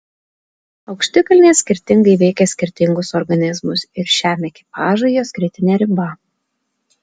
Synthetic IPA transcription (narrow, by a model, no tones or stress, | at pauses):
ɒʊkʃʲt̪ʲɪkɐlʲnʲeːsʲkʲɪɾʲt̪ʲɪŋɡɐɪʋʲɛɪkʲɛsʲkʲɪɾʲt̪ʲɪŋɡʊsɔɾɡɐnʲɪzmʊsɪɾʃʲæːmʲɛkʲɪpɑːʒɐɪjoːsʲkɾʲɪt̪ʲɪnʲɛɾʲɪbɐ